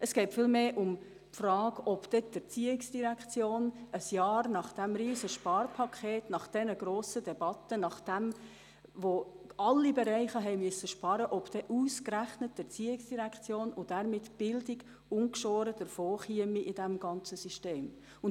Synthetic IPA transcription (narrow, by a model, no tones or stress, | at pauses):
əsɡ̥ɛɪtfɪːlmeːʔʊm | pfrɑːɡɔpd̥ɛd̥əɾt͡siːɪksd̥iɾækʰt͡sjoːnəsjɑːɾnɑχd̥æmɾiːzəʃpɑːɾpʰɑkʰχeːtnɑχd̥ɛnəɡ̥ɾoːsədɛb̥ɑtənɑχd̥ɛm | ʋo | ɑlːibɛɾɛɪχəɦɛɪmyəsːəʃpɑɾəʔɔpd̥ɛʔuːskɾæχnət̚dəɾt͡siːɪksd̥iɾækχt͡sjoːnʊd̥æɾmɪtb̥ɪldɪɡ | ʊŋkʃoːɾəd̥əɾfoːχiəmiʔɪd̥æmɡɑnt͡səsyʃteːm | ʊn